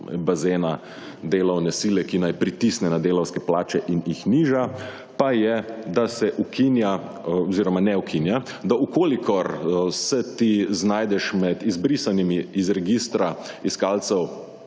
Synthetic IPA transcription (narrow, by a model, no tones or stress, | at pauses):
bazeːna | d̪eːlɔwnɛsiːlɛkinajpɾit̪isnɛnad̪eːlɔwskɛplaːt͡ʃɛʔinixniːʒa | pajɛd̪asɛʔukʰinja | ɔziɾɔmanɛukʰinjad̪aukoːlikʰɔɾsɛt̪iznaːjd̪ɛʃmɛd̪izbɾisanimiːzɾɛɡiːst̪ɾaiskaːlt̪sɛw